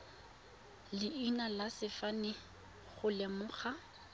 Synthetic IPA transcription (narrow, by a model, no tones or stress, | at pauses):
lɪinalasɪfanɪ | χʊlɛmʊχa